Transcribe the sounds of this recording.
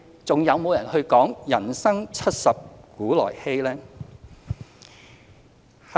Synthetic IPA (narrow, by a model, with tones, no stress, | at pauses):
t͡sʊ˨ŋjɐ˨˧wmo˨˧wjɐ˨˩nhɵ˧ɥkɔː˨˥ŋjɐ˨˩nsɐ˥ŋt͡sʰɐ˥t̚sɐ˨p̚kuː˨˥lɔ̰ː˨˩jhe˥jlɛː˥ | h